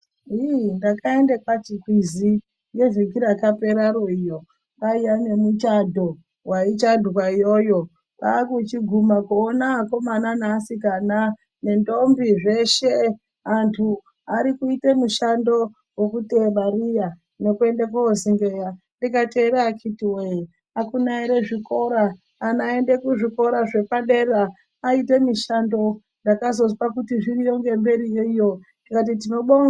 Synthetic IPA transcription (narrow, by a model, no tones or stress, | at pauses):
ɦindakae̞ndekwat͡ʃikwizi | je̞ʐikiɾakape̞ɾaɾoijo̞ | kaijane̞mut͡ʃadʱo | wait͡ʃadʱokwaijojo̞ | kakut͡ʃiɡʱumakuːnako̞mananasikana | ne̞ndo̞mbiʐe̞ʃe | antʰu | aɾikuitemuʃando̞ | wekuteɓarija | ne̞kue̞ndekuoziŋɡeja | ndikate̞ːɾaːkʰitiwei | akunaiɾe̞ʐiko̞ɾaː | nae̞nde̞kuʐiko̞ɾaʐe̞paɗeraː | ite̞miʃando̞ | ndakazo̞spakutiʐirijoŋɡe̞mbe̞ɾijeijo̞ndikat̬it̬ino̞ɓo